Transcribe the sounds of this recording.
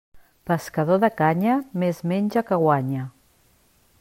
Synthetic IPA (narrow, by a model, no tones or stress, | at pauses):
pəskəð̞oðəkaɲəmezmeɲʲʒəkəɣwaɲə